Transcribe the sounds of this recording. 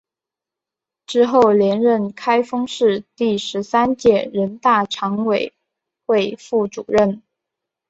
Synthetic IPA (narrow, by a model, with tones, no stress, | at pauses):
ʈ͡ʂɻ̩˥xo˥˩ʊljɛ˧˥nɻə˥˩nkʰa˥ɪfɤ˥ŋʂɻ̩˥˧t̪i˥˩ʂɻ̩˧˥sa˥nt͡ɕjɛ˥˩ɻə˧˥nt̪a˥˩ʈ͡ʂʰɑ˧˥ŋwe˨˩ɪ | xwe˥˧ɪfu˥˩ʈ͡ʂu˨˩ɻə˥˩n